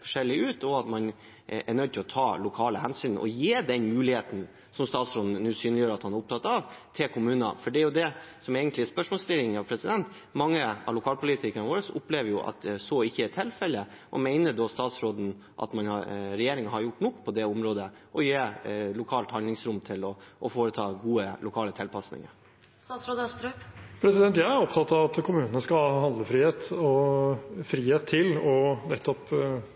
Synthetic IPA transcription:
fɔ̥ʂɛlːɪʉːt̪ʰɔɑt̪mɑn | æɳœd̪̚t̪ʰɪlɔt̪ʰɑːlʊkʰɑːləhɛnsyːnn̩ʔɔ̰jeːd̪ɛnmʉːlɪheːt̪n̩ | sɔmst̪ɑːt̪sɾoːd̪n̩ʉːsyːnlɪjøːɾɑt̪hɑnæɾʊpt̪ʰɑt̪ːɑʋt̪ʰɪlkʰʊmʉːnɑ̰fɔɖɛæɾjʊd̪ɛsɔmeːɡənt̪lɪspœʂmoːlst̪ɪlːɪŋɑʋpʰɾɛsɪd̪ɛnt̪ | mɑŋːəɑ̰ʋlʊkʰɑːlpʰʊlɪt̪ʰɪkənʋoːɾəsʊ̰pleːʋəɾjʊʔɑ̰t̪sɔɪçːəɛt̪ʰɪlfɛlːə | ʔɔ̰mæɪnəd̪ɔst̪ɑːt̪sɾoːd̪n̩ | ʔɑ̰t̪mɑnɑɾɛjeːɾɪŋəhɑɾjʊʈːnɔkːpʰɔd̪ɛʊmɾoːd̪əʔɔjeːlʊkʰɑːlt̪hɑnd̪lɪŋsɾʊmt̪ʰɪlɔʔːfoːɾət̪ʰɑːɡuːəlʊkʰɑːlət̪ʰɪlpʰɑsnɪ̰ŋə̰ɾ | sɑːt̪sɾoːd̪əst̪ɾpʰɾɛsɪd̪ɛnt̪jæɪæɾɔpt̪ʰɑt̪ːɑʋɑt̪kʰʊmʉːnənəskɑɑhɑnd̪ləfɾiːheːt̪ɔ | fɾiːheːt̪ʰːɪlɔnɛt̪ːɔp

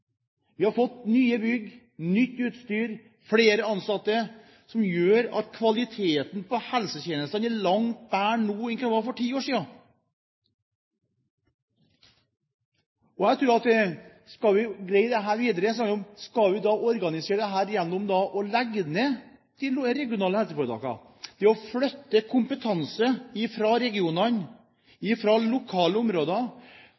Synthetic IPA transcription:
ʋɪhɑɾfɔt̪ːnyːəbʏɡ | nʏt̪ːʉːt̪st̪yːɾ | fɽeːɾəɑnsɑt̪ːə | sɔmjøːɾɑ̰t̪kʰʋɑlɪt̪ʰeːt̪npʰɔhɛlsət̪eːnəst̪ɑnɛɭɑŋt̪̚bæːɳnuːɛŋk̪ʋɑɾfɔʈʰiːoːʂiːɑn | ɔæt̪ʰɾʉːɾɑt̪ | skɑʋɪɡɾæɪd̪ɛɦæːɾʋiːd̪əɾəsɑʊmskɑʋɪd̪ɑʔɔɾɡɑnɪseːɾd̪ɛɦæːɾjɛnːɔmd̪ɑʔɔlɛɡned̪̥ɪɾɛɡɪʊnɑːləhɛlsəfɔɾət̪ɑ̰ːkɑ̰ | d̪̥ɛɔflœt̪ːəkʰʊmpət̪ʰɑnsəɪfɾɑɾɛɡɪuːnɑn | ɪfɾɑlʊkʰɑːləʊmɾoːd̪ɑ

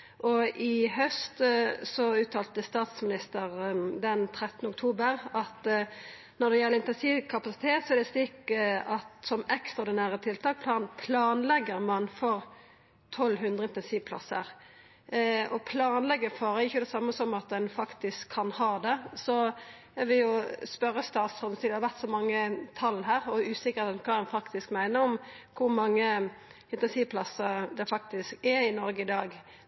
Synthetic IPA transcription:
ʔɔʔɪɦœst̪sɔʉːt̪ʰɑːlt̪əst̪ɑːt̪smɪnɪst̪əʁd̪ɛnt̪ʰɾɛt̪ːnəɔk̚t̪ʰuːbəɾɑt̪ | nɔɾd̪ɛjɛlːəɾɪnt̪ɛnsiːʋkʰɑpɑsɪ̥t̪ʰeːt̪sɔɛɾd̪ɛst̪ɪkəɑt̪sɔmɛkst̪ʁɑːɾd̪ɪnæːɾət̪ʰɪlt̪ʰɑːk̚pʰlɑːnpʰlɑːnlɛɡːəɾmɑnfɔɾ | t̪ʰɔlːɦʉnd̪ɾʁəɪnt̪ɛnsiːʋpʰlɑ̰sə̰ɾ | ɔpʰlɑːnlɛɡəfɔɾɛɪçːʊd̪ɛsɑmːəsɔmɑt̪̚d̪ɛnfɑkt̪ɪskʰːɑnhɑːd̪ɛsɔ | æɾʋɪjʊspœɾːəst̪ɑːt̪sɔsiːd̪hɑɾʋæʁt̪sɔmɑŋːət̪ʰɑlɦæːɾɔʉːsɪkəɾkʰɑːd̪ɛnfɑkt̪ɪskmæɪnəɾɔmkʰʊɾmɑŋːə | ɪnt̪ɛnsiːʋpʰlɑsəɾd̪ɛfɑk̚t̪ɪskɛɪnɔɾɡəɪd̪ɑːɡ

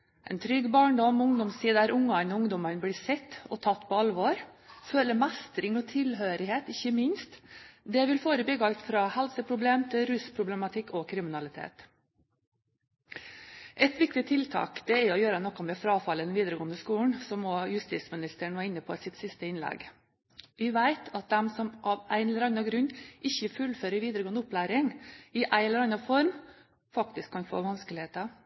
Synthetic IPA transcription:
ʔɛ̰nt̪ʰɾʏɡbɑːɳɖɔmʊŋd̪ɔmssiːd̪əæɾʔʊŋːɑnɔʊŋd̪ɔmənblɪːsɛt̪ːɔt̪ʰɑt̪ːpʰɔɑlʋoːɾføːləmæst̪ɾɪŋɔt̪ʰɪlɦøːɾɪɦeːt̪ɪçːəmɪnst̪d̪ɛʋɪlfoːɾəbɪɡɑlt̪fɾɑːhɛlsəpʰɾʊbleːmt̪ʰɪlɾʉspʰɾʊblɛmɑt̪ʰɪkːɔkʰɾɪmɪnɑlɪt̪ʰḛːt̪ | ʔɛt̪ʋɪk̚t̪ɪt̪ʰɪlt̪ʰɑ̰ːkd̪ɛɛɔjøːɾənɔkːɔmɛfɾɑːfɑlːəd̪ɛnʋiːd̪əɾəɡoːənəskuːɳ̩sɔmɔːjʉst̪iːt̪smɪnɪst̪əɳ̩ʋɑːɾɪnːəpʰɔsɪt̪sɪst̪əɪnlɛ̰ɡ | ʋɪʋæɪt̪ʰɑt̪̚d̪ɛmsɔmʔɑʋæɪɛləɾɑnɑɡɾʉɲʔɪçːəfʉlføːɾəɾʋiːd̪əɾəɡoːnəʊplæːɾɪŋɪʔæɪɛləɾɑnɑfɔɾm | fɑk̚t̪ɪskʰːɑnfo̰ːʋɑnskəlɪheːt̪ə

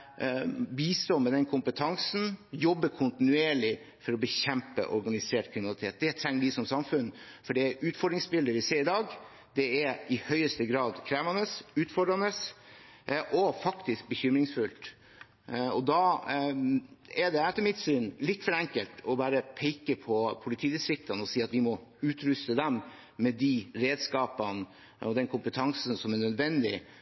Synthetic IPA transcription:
biːst̪ɔmɛd̪ɛnkʰʊmpət̪ʰɑŋsn̩jɔbːəkʰʊnt̪ɪnʉeːɭɪ | fɔɾɔbəçɛmpə̰ʔɔɾɡɑnɪseːʈkʰɾɪmɪnɑlɪt̪ʰeːt̪̚d̪ɛt̪ʰɾɛŋːd̪ɪsɔmsɑmfʉnfɔɖɛʉːt̪fɔɖɾɪŋsbɪld̪əʋɪseːɾɪd̪ɑːɡ | d̪̥ɛɛɾɪhœʏəst̪əɡɾɑːd̪kʰɾæːʋɑnəsʉːt̪fɔɖɾɑnəs | ʔɔfɑkt̪ɪsk̚bəçʏmɾɪŋsfʉlt̪ | ɔd̪ɑ | ɛd̪ɛɛt̪ːəɾmɪt̪syːnlɪt̪ːfɔɾɛŋkəlt̪ʰɔbɑːɾəpʰeɪkəpʰɔpʰʊlɪt̪ʰiːd̪ɪsɾɪk̚t̪ɑnəɔsiːɑt̪ʋɪmɔʉːt̪ɾʉst̪əd̪ɛmː | ɛd̪iɾeːd̪skɑːpən | ɔd̪ɛnkʰʊmpət̪ʰɑŋsn̩sɔmɛnœd̪ʋɛnd̪ɪ̰

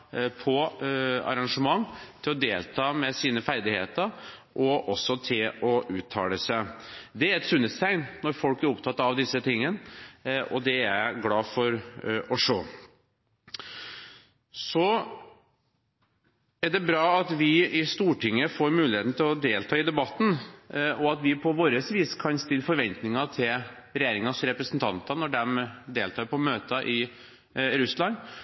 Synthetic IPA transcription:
pʰɔɑ̰ɾɑŋʂəmɑŋːt̪ʰɪlɔd̪eːlt̪ʰɑːmɛsiːnəfæɾd̪ɪhḛːt̪əɾ | ʔɔʔɔsːɔt̪ʰɪlɔʔʉːt̪ʰːɑ̰ːləsæd̪ɛæɾɛt̪sʉnːət̪st̪ʰæɪnnɔɾfɔlkæɾɔpt̪ʰɑt̪ːɑʋd̪ɪsːət̪ɪŋːən | ɔd̪ɛæɾɡlɑːfɔɾɔʂoː | sɔ | æɖɛbɾɑːɑt̪ʋɪɪst̪uːʈɪŋːəfɔɾmʉːlɪheːt̪n̩t̪ʰɪlɔd̪eːlt̪ʰɑːɪd̪ɛbɑt̪ːn̩ɔɑt̪ʋɪpʰɔʋoːɾəsʋiːskʰɑnst̪ɪlːfɔɾʋɛnt̪nɪŋɑt̪ʰɪl | ɾɛjeːɾɪŋɑsɾɛpɾəsnt̪ʰɑ̰nt̪ɑnɔɖɛmd̪eːlt̪ʰɑːɾpʰɔmøːt̪əʔɪ | ɾʉslɑn

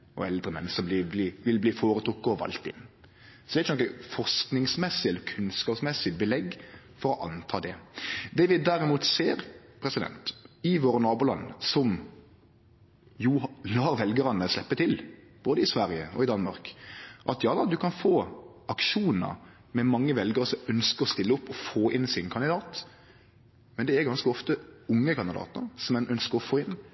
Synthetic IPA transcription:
ʔɔ̰ɛld̪ʁəmɛnːəsɔbliːbliːʋɪlbliːfoːɾət̪ʰɾʊkːəɔʋɑ̰lt̪ɪ̰nː | sɔd̪ɛːɪçːənɔkːəfɔʁsknɪŋsmɛsːɪɛlːəɾkʰʉnskɑːpsmɛsːɪbəlɛɡ | fɔɾɔʔɑnt̪ʰɑːd̪ɛd̪ɛʋɪd̪æɾɪmuːt̪seːɾpʰɾɛsɪd̪ɛ̰nt̪ɪʋoːɾənɑːbuːlɑ̰nːsɔm | julɑːɾʋɛlɡəɾənəslɛpːət̪ʰɪlb̥oːd̪əɪsʋæɾjə̰ɔ̰ɪd̪ɑnmɑ̰ɾkʔɑt̪jɑːd̪ɑd̪ʉkʰɑnfoːʔɑkʃuːnə̰ɾ | mɛmɑŋːəʋɛlɡəɾəsɔmœnskəɾɔst̪ɪlːəʊpːɔfoːʔɪnsɪnkʰɑnd̪ɪd̪ɑːt̪ | mɛnd̪ɛæɾɡɑnskəɔft̪əʊŋːəkʰɑnd̪ɪd̪ɑ̰ːt̪nəɾsɔmɛnʔœnskəɾɔfoːɪnː

